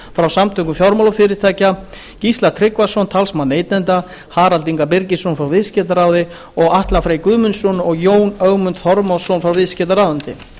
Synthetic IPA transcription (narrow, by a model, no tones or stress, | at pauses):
fɾawsamt̪ʰœŋkʏmfjɔɾmalafɪɾɪt̪ʰaːjca | cist̪lat̪ʰɾɪkvḁsɔnt̪ʰalsmaneːjt̪nɛnt̪a | haːɾalt̪iŋkapɪɾcɪsownfɾawvɪðscɛt̪aɾaːwðɪ | ɔɣaht̪lafɾeːjkʏːmʏnsɔwnɔɣjoːwnœɣmʏnt̪θɔɾmasownfɾawvɪðscɛt̪aɾawðɪnt̪ɪ̰